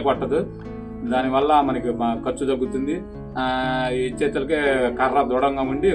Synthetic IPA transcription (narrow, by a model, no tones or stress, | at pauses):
kpɐʈːɐd̪u | d̪aːniʋɐlːɐmɐnɐkikɐt͡ʃːud̪ɐɡːut̪und̪i | it͡ʃɛːt̪ɐlɐkeːkɐrːɐd̪uːɽɐŋɡaːuɳɖi